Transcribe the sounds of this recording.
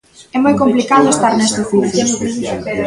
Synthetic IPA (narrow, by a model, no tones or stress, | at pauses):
ɛmojkomplikaðoest̪aɾnɛst̪efuθoni